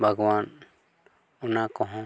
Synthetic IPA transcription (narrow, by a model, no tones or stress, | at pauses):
bʱɐɡwaːn | ʊnakɔɦõ